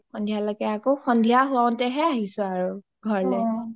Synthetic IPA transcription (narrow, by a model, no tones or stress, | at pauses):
xɔndʱijalɔɡɛakoxʰɔndʱijaɦʊaɔ̃ntɛɦɛaɦisʊ̃aɹu | ɡʱɔɹlɛ